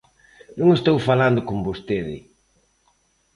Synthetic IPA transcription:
nũŋest̪owfaland̪ʊkombost̪eðɪ̰

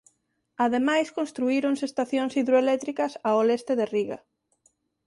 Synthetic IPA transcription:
aðemajskõnst̪ɾuiɾonsest̪aθjoŋsiðɾoelɛt̪ɾikɐsaolest̪eðeriɣɐ̰

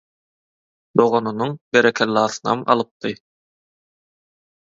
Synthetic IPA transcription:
d̪o̞ʁo̞nunuŋbeɾekʰelʲːɑːθɯnɑ̰mɑ̰lˠɯp̚d̪ɯ

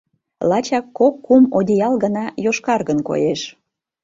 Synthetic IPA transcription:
lɑt͡ɕɑkːokːumodʲijɑlˠɣənɑjoʃkɑrɣənko̰jeʃ

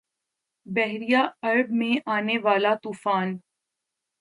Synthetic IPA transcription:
bɛɦɾijaɐɾbmẽʔaːneʋaːlat̪uːfaːn

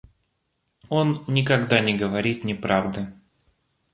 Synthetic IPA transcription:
o̞nːʲɪkɐɡd̪anʲɪɡəvɐɾʲit̪nʲɪpɾavd̪ɨ

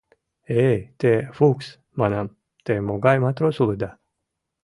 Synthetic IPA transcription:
et̪efuks | manam | t̪emoɡajmat̪ɾosulɨd̪a

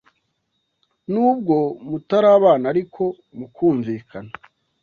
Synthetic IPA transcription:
nuːb̚ɡo̞mutaɾaːβaːnaɾikʰo̞ | mukʰuːɱviːkʰana

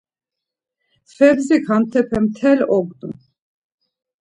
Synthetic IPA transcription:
fɛbzikʰant̪ʰɛpʰɛmt̪ʰɛlɔɡd̪um

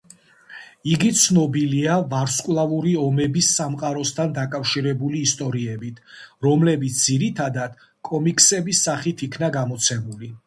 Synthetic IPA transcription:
iɡit̪sʰnɔbiliavaɾskʼlˠavuɾiɔmɛbisːamqʼaɾɔst̪ʰand̪akʼafʃiɾɛbuliːst̪ʼɔɾiɛbit̪ʰɾɔmlɛbit̪s̚ʰd̪ziɾit̪ʰad̪ad̪̥ | kʼɔmikʼsɛbisːaχit̪ʰikʰnaɡamɔt̪sʰɛmuli

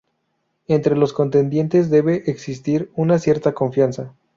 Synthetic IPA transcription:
e̞nt̪ɾe̞lo̞sko̞nt̪e̞nd̪je̞nt̪e̞zðe̞βe̞ʔeksist̪iɾunasje̞ɾt̪ako̞ɱfjansa

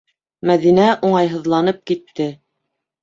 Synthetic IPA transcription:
mæðinæʔuɴɑjɦɤ̆ðlˠɑnɤp̚kit̪ːɘ

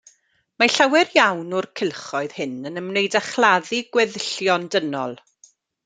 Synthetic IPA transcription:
maɬawɛrjawnʊrkʰɪlˠχɔɨð̥hɪnənəmnejdaχlˠaðiɡwɛðəɬjɔndənɔ̰lˠ

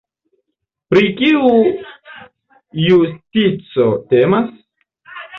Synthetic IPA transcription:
pɾikiu | justit͡so̞te̞mas

